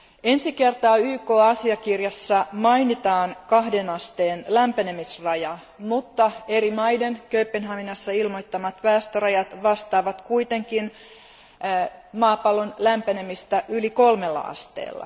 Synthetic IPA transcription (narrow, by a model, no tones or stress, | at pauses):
e̞nsike̞rt̪ɑːyːko̞ːɑsiɑkirjɑsːɑmɑjnit̪ɑːnkɑhdenɑst̪e̞ːnlæmpæne̞misrɑjɑ | mut̪ːɑe̞ɾimɑjdenkøypːenɦɑminɑsːɑilmojt̪ːɑmɑt̪ʋæːst̪orɑjɑt̪ʋɑst̪ɑːʋɑt̪kuit̪e̞ŋkin | mɑːpɑlonlæmpæne̞mist̪æʔyliko̞lmelːɑ̰ɑ̰st̪ḛːlːɑ̰